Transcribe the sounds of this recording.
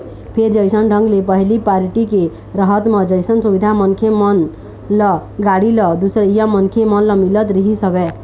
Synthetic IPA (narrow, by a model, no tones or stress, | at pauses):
pʰeɾd͡ʒəjsənɖʱə̃ŋɡlepəɦilipaɾiʈike | ɾəɦət̪med͡ʒəjsənsubid̪ʱamənkʰemən | lɔɡaɽilɔd̪usɾijamənkʰemənləmilət̪ɾiɦisəbɛ